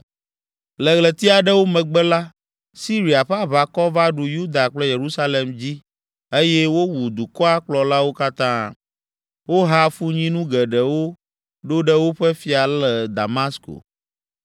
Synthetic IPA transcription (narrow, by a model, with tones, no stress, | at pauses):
lɛ˨ɣlɛ˨t̪i˦a˨ɖɛ˦wo˦mɛ̃˨ɡ͡bɛ˦la˦ | si˦ɾi˨a˨ɸɛ˦a˦βa˨kɔ˦va˦ɖu˨ju˦d̪a˨k͡plɛ˦je˨ɾu˦sa˦le˨md͡ʑi˦ | e˦jɛ˦wo˦wu˨d̪u˨kɔ˦a˦k͡plɔ˨la˦wo˦ka˦t̪ã˦ | wo˦ɦa˦fu˦ɲĩ˦nũ˦ɡɛ˨ɖɛ˨wo˦ | ɖo˦ɖɛ˦wo˦ɸɛ˦fi˦a˨lɛ˨d̪a˨ma˦sko̰˨